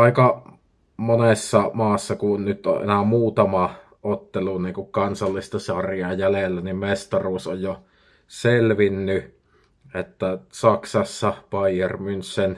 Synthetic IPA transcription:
ɑˑikɑ | monesːɑmɑːsːɑkunnyt̪ːo̰ʔʔḛnæmuːt̪ɑmɑ | ʔot̪ːeluniːŋkukkɑnsɑlːist̪ɑsɑrjɑjælelːænimmest̪ɑruːsojjo | selʋinːy | ʔet̪ːæsɑksɑsːɑpɑiermynssen

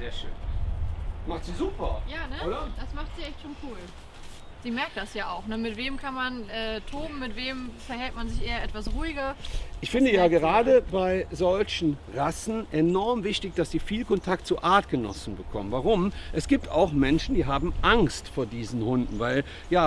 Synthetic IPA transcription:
zeːɐʃøːn | maχtz̥iːzuːpɐjaːnəoːdɐd̥asmaχtz̥iːʔɛçtʃoːnkʰuːl | z̥iːmɛɐk̚td̥asjaːaʊxnəmɪtv̥eːmkʰanmanʔɛːtʰoːbm̩ːɪtv̥eːmfɛɐhɛltmanzɪçʔeːɐʔɛtv̥asʁuːɪɡɐʔɪçfɪndəjaːɡəʁaːdəbaɪzɔlçn̩ʁasn̩ʔɛnɔɐmvɪçtɪçd̥asz̥iːfiːlkɔntʰak̚tt͡suʔaɐtɡ̥ənɔ̰sn̩bəkʰɔ̰mənvaʁʊmʔɛsɡ̥iːp̚ta̰ʊxmɛnʃn̩diːɦaːbm̩ʔaŋstfoːɐdiːzn̩hʊndn̩vaɪl | jaː

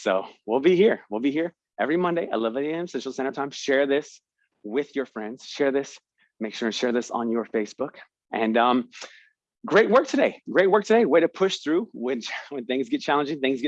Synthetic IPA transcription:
soʊwilˠbihiɹwilˠbihiɹ | ʔɛvɹimʌ̃ndeɪʔə̰lʌvɨɾiɛ̃nsoʊʃl̩ˠsɛ̃ɾ̃ə˞tʰãɪ̃mʃɛɹðɪs | wɪðjə˞fɹɛ̃ndz̥ʃɛɹðɪs | meɪkʃʊɹɨ̃nʃɛɹðɪsn̩jə˞feɪsb̥ʊk | ʔɨ̃nʌ̃m | ɡ̥ɹeɪt̚wɜ˞k̚tʰɨdeɪɡ̥ɹeɪt̚wɜ˞k̚tʰɨdeɪweɪɾɨpʰʊʃθɹʉwɨ̃nwɨ̃nθɪ̃ŋzɡɛt̚t͡ʃʰælˠə̃nd͡ʒɪ̃ŋθɪ̃ŋzɡ

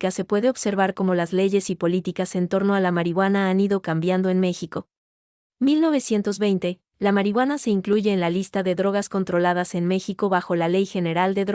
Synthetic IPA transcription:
kase̞pwe̞ðe̞o̞βse̞ɾβaɾko̞mo̞lazle̞ʝe̞sipo̞lit̪ikase̞nt̪o̞ɾno̞alamaɾiɣwanaaniðo̞kambjand̪o̞e̞nme̞xiko̞ | milno̞βe̞sje̞nt̪o̞zβe̞jnt̪e̞ | lamaɾiɣwanase̞iŋkluʝe̞ːnlalist̪aðe̞ðɾo̞ɣ̞asko̞nt̪ɾo̞lað̞ase̞nme̞xiko̞βaxo̞lale̞jxe̞ne̞ɾald̪e̞ðɾ

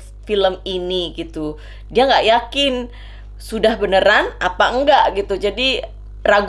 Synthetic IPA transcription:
filəminiɡit̪u | diaŋɡaʔjakɪn | sudahbənəɾanapaəŋɡaʔɡit̪ud͡ʒadi | raɡ

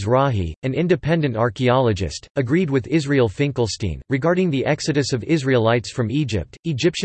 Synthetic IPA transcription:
zɹɑɦḭɨ̃nɪ̃ndɨpʰɛ̃ndɨ̃ntɑɹkiɑlˠəd͡ʒɨ̰stɨɡɹid̚wɨðɪzɹilˠfɪ̃ŋkl̩ˠstḭ̃nɹɨɡɑɹɾɪ̃ŋðiʔɛksɨɾɨsʌvɪzɹilˠaɪtsfɹʌ̃mid͡ʒɪp̚tɨd͡ʒɪpʃ

